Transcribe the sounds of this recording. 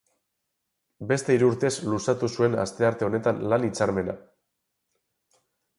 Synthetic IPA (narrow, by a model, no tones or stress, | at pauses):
be̞st̪e̞iɾuuɾt̪e̞slusat̪usue̞na̰st̪e̞aɾt̪e̞o̞ne̞t̪anlanit͡saɾme̞na̰